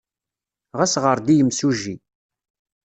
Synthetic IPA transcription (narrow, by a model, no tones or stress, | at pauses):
ʁæsʁəɾˤd̪ijəmsuʒːi